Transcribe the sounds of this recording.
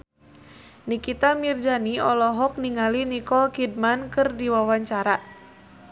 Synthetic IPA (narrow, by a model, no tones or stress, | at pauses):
nikit̪amird͡ʒaniɔlɔɦɔk̚niŋalinikɔlkid̚mankɨrdiwawaɲt͡ʃaɾa